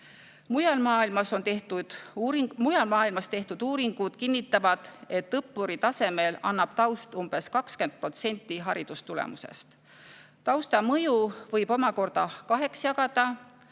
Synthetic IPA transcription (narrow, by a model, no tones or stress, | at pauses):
mujɑlmɑːilmɑso̞nt̪et̪ud̥̪ | mujɑlmɑːilmɑst̪e̞ht̪ud̪̥uːɾiŋɡ̥ud̪̥kinːit̪ːˑɑvɑd̪̥e̞t̪ːɤpːuɾit̪ɑse̞me̞lɑ̰nːɑb̥̚t̪ɑwst̪umb̥e̞skɑkskend̪̚pro̞t̪se̞nʲt̪ːˑiɦɑɾid̪̥ust̪ulḛmuse̞̰st̪ | t̪ɑwst̪ɑmɤjuvɤjb̥o̞mɑko̞rd̪̥ɑkɑɦe̞ksjɑɡ̥ɑd̪̥ɑ